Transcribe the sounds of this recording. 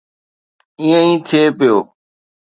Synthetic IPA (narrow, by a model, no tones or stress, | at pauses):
ĩjə̃ĩːt̪ʰeːpɪjoː